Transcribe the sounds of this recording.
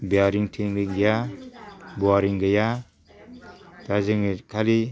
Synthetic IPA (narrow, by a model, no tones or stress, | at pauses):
bijaɾiŋtʰiŋɡɯŋɡja | buaɾiŋɡɯja | d̥azeŋekʰali